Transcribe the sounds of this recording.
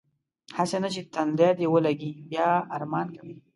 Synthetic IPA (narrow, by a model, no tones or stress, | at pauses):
hasenat͡ʃet̪and̪ad̪ewəlaɡibjɑaɾmɑːnkawi